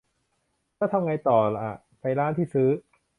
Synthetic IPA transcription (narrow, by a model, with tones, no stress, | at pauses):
t̪ʰaː˥˩t̪ʰa˧mŋa˧jt̪ɔː˨˩la˨˩ʔa̰˨˩ | pa˧jlaː˦˥˩nt̪ʰiː˥˩sɯː˦˥